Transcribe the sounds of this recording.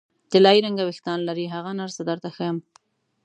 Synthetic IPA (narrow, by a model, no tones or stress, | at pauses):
d̪̥əlɑiɾaŋɡawɪxt̪ɑnlaɾiɦaɣanaɾsad̪əɾt̪axəjam